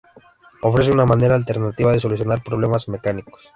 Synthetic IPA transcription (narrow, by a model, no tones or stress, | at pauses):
o̞fɾe̞s̬eunamane̞ɾaːlt̪e̞ɾnat̪iβaðe̞s̬o̞lus̬jo̞naɾpɾoβ̞le̞mazme̞kaniko̥s